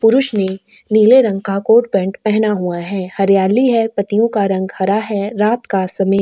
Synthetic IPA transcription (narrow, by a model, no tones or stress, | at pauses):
pʊɾʊʃne | niːleɾɐ̃ŋɡ̚kakoːʈ̚bɛ̃ːɳʈpɛɦnaɦuaɦɛːhɐɾjaːliɦɛpɐt̪ijõkaɾɐ̃ŋɡhɐɾaɦɛɾaːt̪kasɐme